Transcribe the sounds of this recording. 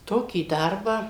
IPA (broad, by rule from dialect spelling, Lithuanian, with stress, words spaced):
ˈtoːkʲiː ˈdɐrbɑː